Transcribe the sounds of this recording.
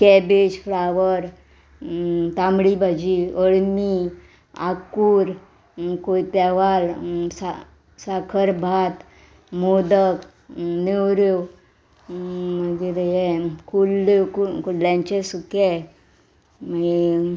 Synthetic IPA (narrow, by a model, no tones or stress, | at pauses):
kɛbed͡ʑflaʋəɾ | t̪ãmɽibʱad͡ʑiəɽmi | a̰kuːɾ | koit̪ɛʋalsa | sakʰəɾbʱat̪ | mod̪ək | newɾo | məɡeɾjekulːekukulljãɲt͡ɕesukɛ | məe